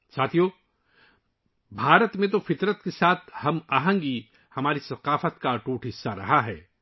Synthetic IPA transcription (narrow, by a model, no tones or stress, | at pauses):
saːt̪ʰijoː | bʱaːɾət̪mẽt̪̬ofɪt̪ɾət̪̚kesaːt̪ʰhɐmaːɦə̃ŋɡi | hɐmaːɾisɐqaːfət̪kaʈuːʈʰɦɪsːaɾɐɦaɦɛː